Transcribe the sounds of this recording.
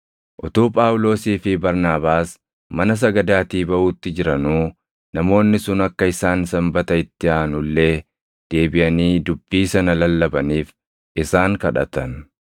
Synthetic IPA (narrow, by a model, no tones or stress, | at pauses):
ʔɔt̪uːpʼaːwʊlo̞ːsiːfɪbɐɾnaːbaːs | mɐnɐs̬ɐɡɐd̪aːt̪iːbɐʔuːt̪ːɪd͡ʒɪɾɐnuː | nɐmo̞ːnːɪsʊnɐkːɐɪsaːnsɐmbɐt̪ɐɪt̪ːɪaːnʊlːe̞ː | d̪̥e̞ːbɪʔɐniːd̪ʊbːiːsɐnɐlɐlːɐbɐniːf | ʔɪsaːŋkɐᶑɐ̰t̪ɐn